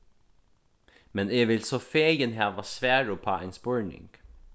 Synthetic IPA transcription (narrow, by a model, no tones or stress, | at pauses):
mɛneːʋɪlsɔfeːjənɦæːʋɑsʋæːɹupʰɑ̰ːenspɔɹnɪ̰ŋɡ̥